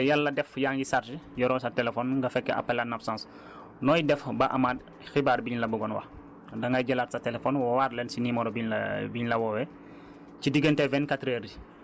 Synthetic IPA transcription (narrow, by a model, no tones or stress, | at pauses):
jalːɐdɛfjaːŋɡisaɾd͡ʒijɔɾɔːsatɛlɛfɔnŋɡɐfɛkːɛ̰ʔa̰pːɛlanapsãːns | nɔːjidɛfbɐʔamaːd̚ | xibaːɾbiɲlɐbuɡɔnwɐ̰ | dɐŋɡaɟɛlatsɐtɛlɛfɔnwɔwaːɾlɛnsinimɔɾɔbiɲlɐ̰biɲlɐwɔwɛ | cidiɡəntɛvɛnkatɾeɾi